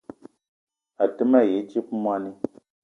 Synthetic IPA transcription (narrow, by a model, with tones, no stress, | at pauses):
a˨tɨ˦ma˦˨je˨˦t͡ʃi˦pmwa˦ni˦